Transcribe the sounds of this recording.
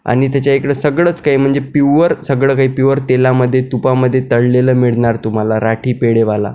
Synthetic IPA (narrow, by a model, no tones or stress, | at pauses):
a̰ɽ̃it̪̬jat͡ɕjaekɽəsəɡɭəːt͡skaɦiːm̤əɳd͡zepiʋəɾsəɡɭəːkaɦiːpiʋəɾt̪elaməd̪ʱːjet̪upaməd̪ʱːjet̪əɽleləːmiɭɳaɾt̪um̤alaɾaʈʰiːpeɽeʋala̰